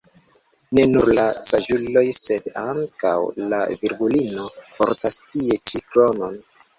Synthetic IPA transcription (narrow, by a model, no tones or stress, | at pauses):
ne̞nuɾlasaʒulo̞jse̞daŋka̰wla̰viɾɡulino̞po̞ɾtastʰie̞t͡ʃiklo̞no̞n